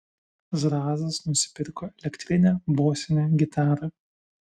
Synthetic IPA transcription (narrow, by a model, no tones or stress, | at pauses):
ʒɾɑːzɐsnʊsʲɪ̥pʲɪɾkoːɛlʲɛkt̪ʲɾʲɪnʲæːboːsʲɪnʲeːɡʲɪt̪ɑːɾɐ